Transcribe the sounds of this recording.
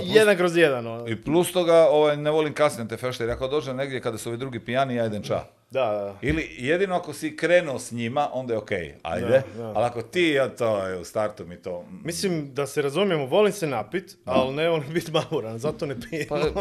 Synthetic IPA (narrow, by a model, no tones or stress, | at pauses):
jed̪anŋkɾozjed̪anoiplust̪oɡao̞ʋajneʋo̞limkasɲeat̪efeʃt̪eɾeakod̪od͡ʒene̞ɡd̪jekad̪asuo̞ʋid̪ɾuɡipianiajd̪ent͡ʃa̰ | d̪ailijed̪ino̞akosikɾeːnuosɲimaʔo̞nd̪ajeokḛja̰jd̪ealakot̪iːjat̪ojeust̪aɾt̪umit̪omislimd̪aseɾazumjemoʋo̞limsenapit̪alneolimbit̪mamuɾanzat̪onepiepam